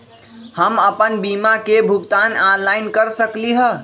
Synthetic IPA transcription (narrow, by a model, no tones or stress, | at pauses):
həməpənbimakebʱuɡt̪ananlaɪnkəɾsəkliɦə